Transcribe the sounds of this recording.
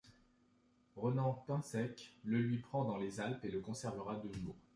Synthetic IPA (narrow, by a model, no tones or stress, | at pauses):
ʁənɑ̃pɛ̃sɛkləlɥipχɑ̃d̪ɑ̃lezalpeləkɔ̃sɛʁvəʁad̪ənoʁ